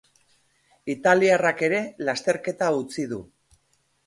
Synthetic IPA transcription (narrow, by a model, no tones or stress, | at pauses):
it̪aliarake̞ɾe̞last̪e̞ɾke̞t̪aut͡sið̞u